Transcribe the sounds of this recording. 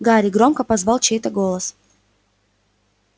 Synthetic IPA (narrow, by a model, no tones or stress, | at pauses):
ɡaɾʲɪɡɾomkəpɐzvɑlˠt͡ɕejt̪əɡolˠəs